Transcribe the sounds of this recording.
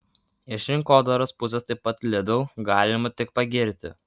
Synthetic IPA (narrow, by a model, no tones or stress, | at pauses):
ɛʃʲɪŋkoːd̪oɾospʊsʲɛst̪ɐɪpːɐt̪lʲɛd̪ʊʊɡɑːlʲɪmɐt̪ʲɪk̚pɐɡʲɪɾʲt̪ʲɪ̰